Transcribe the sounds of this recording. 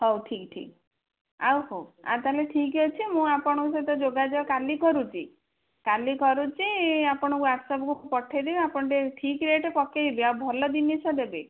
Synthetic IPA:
ɦɔwʈʰikʈʰḭk | a̰whoa̰t̪aleʈʰikɔt͡ʃʰimũapɔɽ̃ɔkus̬ɔt̪ɔd͡ʒoɡad͡ʒɔkalikɔɾut͡ʃʰi | kalikɔɾut͡ʃʰiapɔɽ̃ɔkuaʈsɔbɔkuupɔʈʰed̪ebapɔɳʈeʈʰikɾeʈkɔked̪ibeawbʱɔlɔd̪init͡ʃʰɔd̪ebe

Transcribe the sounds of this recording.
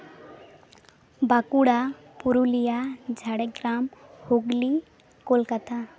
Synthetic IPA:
bakuɽa | puɾulijad͡ʒʱaɽɛɡɾamhoɡli | kolkat̪a

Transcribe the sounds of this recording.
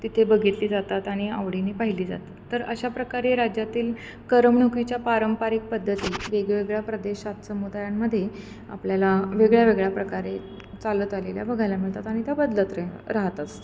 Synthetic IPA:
t̪it̪ʰebəɡʱit̪liːd͡zat̪at̪aɽ̃ia̰ʋɽinepaɦiliːd͡za̰t̪aːəɾəɕapɾəkaɾeɾad͡ʑjat̪iːl | kəɾəmɳukʋit͡ɕjapaɾəmpaɾik̚pəd̪ʱːət̪iːʋeɡɭeʋeɡɭjapɾəd̪eɕat̪səmud̪ajamːəd̪ʱːje | a̰pljalaʋeɡɭjaʋeɡɭjapɾəkaɾe | t͡salət̪alelja̰bəɡʱajlamiɭt̪at̪aɽ̃it̪abəd̪lət̪ɾaɦt̪ast̪

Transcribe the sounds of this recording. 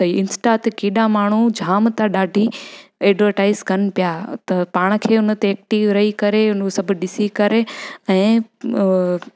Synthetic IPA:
sɐiɪnsʈat̪ekeːɗamaːɳ̤̃ud͡ʑʱaːmt̪aɗaːɖʱieːɖʋəɾʈaːɪzkɐnpijaːt̪ɐpaːɽ̃̆kʰeːʊnə̆t̪eeːk̚ʈiːʋɾɐɦikɐɾeʊnusɐbʱɗɪsikɐɾeɛ̃ː

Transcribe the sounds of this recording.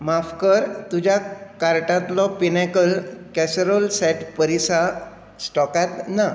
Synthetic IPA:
mafkəɾt̪ud͡ʑakaɾʈãt̪lɔpinɛkəlkɛsɾolsɛʈpəɾisa | sʈɔkat̪na

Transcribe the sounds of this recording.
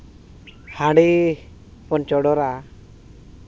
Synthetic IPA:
hãɽi | pɔnt͡ʃɔɽɔɾa

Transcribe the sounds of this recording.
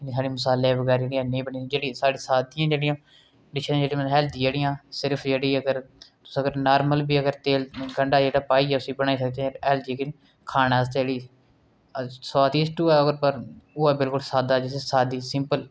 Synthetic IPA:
niːsaːɽiːmʊsaːlebəɡɛːɾeːɽijãːnĩːbənĩːd͡ʒeːɽisaːɽiːsaːd̪ɪjãːd͡ʒeːɽɪjãː | ɖɪt͡ʃʰəɾ̃d͡ʒeːɽĩməɦɛːld̪iːd͡ʒeːɽɪjãːsɪɾpʰd͡ʒeːɽiːəɡəɾt̪ʊsːəɡəɾnaːɾməlbiːəɡəɾt̪eːlɡəɳɖaːd͡ʒeːɽaːpaːiːɛːʊsĩːbəñaːiːs̬ək̚d̪ẽɛːld̪iːkn | kʰaːnaːst̪eeːɽiː | saːt̪iːsʈuːɛːoɡəɾpəɾoːɛːbɪlkʊlsaːd̪aːd͡ʒɪssaːd̪iːsɪmpəl

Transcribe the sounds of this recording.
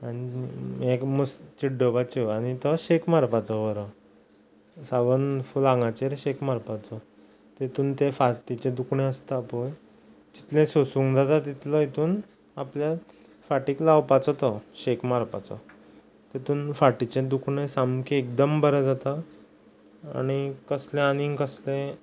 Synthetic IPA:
añiekməst͡ɕiɖəʋat͡ɕiaɽ̃it̪ɔɕekmaɾpat͡sɔʋəɾə | saɡənfulaŋɡat͡ɕeɾɕekmaɾpat͡sɔ | t̪et̪uːnt̪efaʈit͡ɕed̪ukʰɳẽəst̪apoj | t͡ɕi̥t̪lẽsosũŋɡd͡zat̪at̪it̪lɔit̪uːn | aplja | faʈiːklawpat͡sɔt̪ɔɕekmaɾpa̰t͡sɔ̰ | t̪et̪uːnfaʈit͡ɕẽd̪ukʰɳesamkeekd̪əmbəɾəd͡zat̪a | a̰ɽ̃ikəslẽaniŋɡkəslẽ

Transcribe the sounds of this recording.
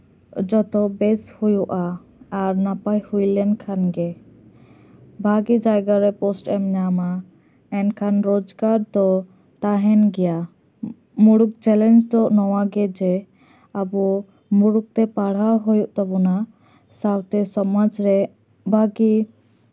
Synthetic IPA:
d͡ʒɔt̪ɔbɛshujuʔaː | ɾnapajhujlɛnkʰanɡɛ | bʱaɡid͡ʒajɡaɾɛpɔsʈɛmɲama | ɛnkʰanɾod͡ʒɡaɾd̪ɔ | t̪aɦɛnɡɛja | muɽuk̚t͡ʃɛlɛnd͡ʒd̪ɔʔnɔwaɡɛd͡ʒɛ | abɔ | muɽuk̚t̪ɛpaɽ̤aɦojuʔt̪ɔbɔna | sawt̪ɛsɔmad͡ʒɾɛ | bʱaɡi

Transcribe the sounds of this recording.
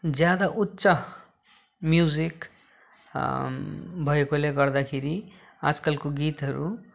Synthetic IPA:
d͡zjad̪aʔutːsʌ | mjud͡zik | bʱʌekoleɡʌrd̪akʰeɾi | a̰d͡zkalkoɡit̪ɦʌɾṵ

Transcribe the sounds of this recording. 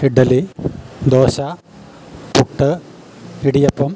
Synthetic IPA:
iɖːɐlid̪oːɕa | puʈːɨ | iɽijɐpːɐm

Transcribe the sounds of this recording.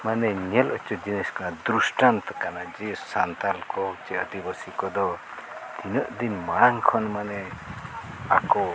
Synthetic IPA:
manɛɲɛlɔt͡ʃɔd͡ʒinɛskanad̪ɾusʈant̪kanad͡ʒisant̪alkɔt͡ʃɛəd̪ibəsikɔd̪ɔ | inəʔd̪inmaɽaŋkʰɔnmanɛ | akɔ

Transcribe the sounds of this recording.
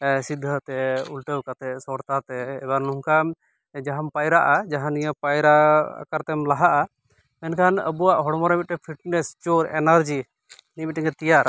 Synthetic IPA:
sid̪ʱːət̪ɛulʈəwkat̪ɛsɔɾt̪at̪ɛ̰ːbaɾnuŋka | d͡ʒaɦampajɾaʔad͡ʒaɦãnijəpajɾa̰kaɾt̪ɛmlaɦaʔa | mɛnkʰanə̰buwaʔɦɔɽmɔɾamit̪̚ːɛpʰiʈnɛst͡ʃuɾɛnaɾd͡ʒi | nimitʈːiŋɛt̪ijaɾ

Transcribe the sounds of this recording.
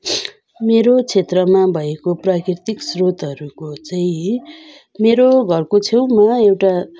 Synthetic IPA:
meɾot͡sʰet̪rʌmabʱʌekoprakrit̪iksrot̪ɦʌɾukot͡saĩ | meɾoɡʱʌrkot͡sʰewmaewʈa

